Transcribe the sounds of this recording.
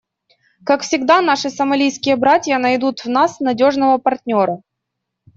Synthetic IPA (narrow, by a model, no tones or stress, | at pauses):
kakfsʲɪɡd̪anaʂɨsəmɐlʲijskʲɪjəbɾatʲjənɐjd̪ut̪vnasnɐdʲo̞ʐnəvəpɐrtʲnʲo̞ɾə